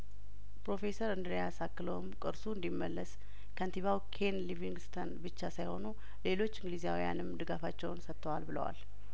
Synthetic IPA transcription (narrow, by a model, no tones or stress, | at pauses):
pɾo̞fe̞səɾɨnd̪ɾjasakːɨləwmkʼɨɾsuɨnd̪imːəlːəs | kʰənt̪iβawkʰe̞nliviŋɡst̪ʰənbɨt͡ʃːasajho̞nu | le̞lo̞t͡ʃːɨŋɡlizijawija̰nɨmd̪ɨɡafat͡ʃːɛwnsət̪ʰːəwalbɨlə̰wa̰l